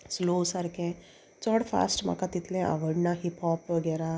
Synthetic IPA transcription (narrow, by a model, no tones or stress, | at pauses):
slosaɾkẽ | t͡sɔɽfa̰sʈma̰kat̪it̪lɛ̃ʔa̰ʋəɽnaɦiphɔpʋəɡɛɾa